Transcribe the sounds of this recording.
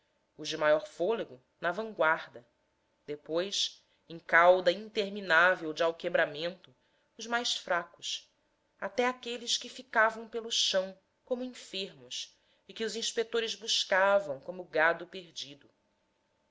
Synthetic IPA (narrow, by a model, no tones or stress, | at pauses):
ʊʒd͡ʒɪmajɔɾfoleɡʊ | nɐvɐ̃ŋɡwaɾd̪ɐ | d̪̥epojs | ẽŋkawd̪ɐĩnt̪eɾminavewd͡ʒɪawkebɾamẽnt̪ʊ | ʊzmajsfɾakʊ̥s | at̪ɛakelɪskɪfikavɐ̃w̃pelʊʃɐ̃w̃ | kõmʊĩfeɾmʊs | ɪkɪʊzĩʃpek̚t̪oɾɪzbuʃkavɐ̃w̃kõmʊɡad̪ʊpeɾd͡ʒid̪ʊ